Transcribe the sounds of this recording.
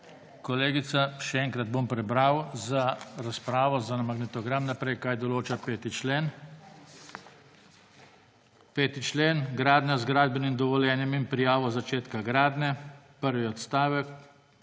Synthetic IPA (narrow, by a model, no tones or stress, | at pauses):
kɔleːɡit̪saʃɛɛːŋkɾad̪̚bompɾɛbɾawzaɾaspɾaːʋɔzanamaɡnɛt̪ɔɡɾamnapɾɛjkaːjd̪ɔloːt͡ʃapeːt̪it͡ʃlen | peːt̪it͡ʃleːnɡɾaːd̪nʲazɡɾaːd̪̚bɛnimd̪ɔʋɔljɛːnjɛmimpɾijaːʋɔzat͡ʃeːt̪kaɡɾaːd̪nɛ | pəɾʋiɔt̪st̪aːʋɛk